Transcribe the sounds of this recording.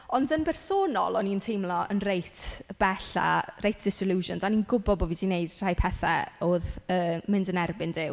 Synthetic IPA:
ɔndənbɛrsoːnɔ̰lˠɔniəntʰejmlˠɔə̰nrejtʰb̥ɛɬa̰rejtʰd̥ɪsɪluːʒɔndaninɡʊbɔd̚bɔvidineɨd̥r̥ajpʰɛθa̰oːðəːmɪndənɛrbɪndɪw

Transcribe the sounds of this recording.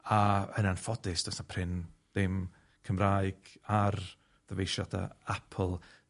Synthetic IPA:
aə̰nanfɔdɪsd̥ɔsapʰrɪnd̥ɪm | kʰəmraːjɡ̥ar | ðəvejʃadʰa̰apʰl̩ˠ

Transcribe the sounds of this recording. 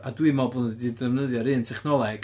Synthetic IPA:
adwimɔbʊndidəvnəðjɔɾɨntʰɛχnɔlˠɛɡ̥

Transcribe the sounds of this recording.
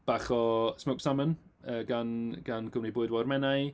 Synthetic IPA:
b̥aχɔsmowksamənəːɡanɡ̥anɡʊwnibʊɨdwɔrmɛnaj

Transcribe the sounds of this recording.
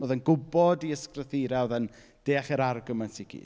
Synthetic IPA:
oðənɡʊbɔdiəskrəθiɾaðən | d̥eːaχɛɾarɡəmantʰiɡ̥ḭːd

